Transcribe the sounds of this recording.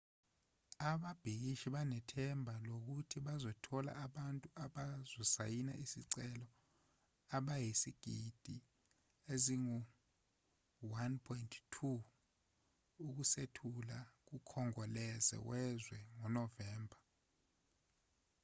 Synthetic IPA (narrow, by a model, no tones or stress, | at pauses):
aɓab̥ʱik̬iʃiɓanɛtʰɛmbʱalok̬utʰiɓazɔtʰɔla̰aɓantʼuʔaɓazɔsa̰jina̰ʔisiǀɛlɔ | aɓajisiɡ̥ʱid̥ʱi | eziŋu | wanpʰɔintʰtʰu | uk̬usetʰulak̬ukʰɔŋɔlɛzɛ̰wɛzwɛŋɔnɔvɛːmbʱa